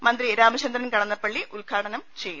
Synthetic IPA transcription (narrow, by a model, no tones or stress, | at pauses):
mɐnd̪ɾiɾaːmɐɕɐnd̪ɾɐnkɐɽɐnːɐpːɐɭːiʔulkʰaːʈɐnɐmt͡ɕe̞jːu